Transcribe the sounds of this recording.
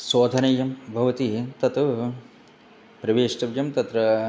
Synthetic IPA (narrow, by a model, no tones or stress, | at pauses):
soːd̪ʱɐnɐjɐmbʱɐʋɐt̪it̪ɐt̪u | pɾɐʋeːʂʈɐʋjɐmt̪ɐt̪ɾɐ